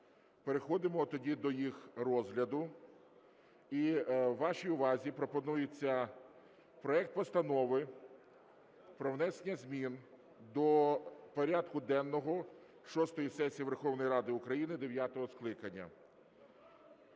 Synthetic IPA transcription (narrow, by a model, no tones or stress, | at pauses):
peɾexɔd̪ɪmɔt̪ɔdʲid̪ɔjixrɔzɦlʲɐd̪ʊ | iːɑʃijʊʋɑzʲipɾɔpɔnujet͡sʲːɐ | pɾɔɛk̚t̪̚pɔst̪ɐnɔʋɪ | pɾɔʋnɛsenʲɐzʲmʲin | d̪ɔpɔɾʲad̪kʊd̪ɛnːɔɦɔ | ʃɔst̪ɔjisɛsʲijiʋe̞rxɔwnɔjiɾɑd̪ɪʊkɾɐjinɪd̪eʋʲjat̪ɔɦɔsklˠɪkɐnʲːɐ̰